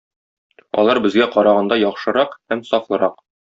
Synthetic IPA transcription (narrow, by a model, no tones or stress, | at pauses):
ɒ̰lˠɑɾbɘ̆zɡæqɒɾɑʁɑnd̪ɑjɒχʃɤ̆ɾɑqhæmsɒflˠɤ̆ɾɑq